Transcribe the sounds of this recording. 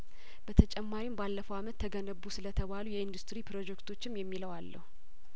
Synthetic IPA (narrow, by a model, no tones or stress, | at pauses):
b̥ət̪ʰət͡ʃʼɛmːaɾimbalːəfəwamət̪ʰːəɡənəβːusɨlət̪ʰəβalujɛɨnd̪ust̪ɾipɾo̞d͡ʒɛkt̪ʰo̞t͡ʃːɪmjɛmːiləwalːə̰hu